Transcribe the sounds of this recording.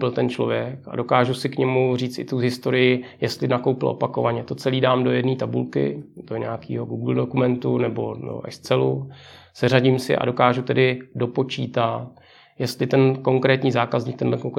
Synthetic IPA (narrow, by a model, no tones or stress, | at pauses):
pɪlt̪ɛnt͡ʃlovjɛka̰do̞kaːʒusɪkɲɛmuriːt͡st̪ɪt̪uɦɪst̪o̞ɾɪjɪjɛst̪lɪnako̞wpɪlʔo̞̰pakovaɲɛt̪o̞t͡sɛliːdaːmdo̞jɛdniːt̪abṵlkɪ̰d̥oɲɛakiːɦo̞ɡuːɡl̩do̞kumɛnt̪unɛbo̞̰do̰ʔɛst͡sɛlu | sɛraɟɪmsɪ̰ʔa̰do̞kaːʒut̪ɛdɪdo̞po̞t͡ʃiːt̪at̪̚ | jɛst̪lɪt̪ɛnko̞ŋkɾɛːt̪ɲiːzaːkazɲiːk̚t̪ɛndlɛkoŋk